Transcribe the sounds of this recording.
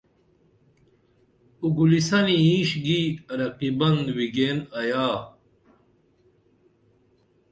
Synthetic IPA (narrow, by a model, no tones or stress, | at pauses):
uɡulisɐniĩːɕɡiɐɾɐqibɐnd̪wiɡeːnɐjaː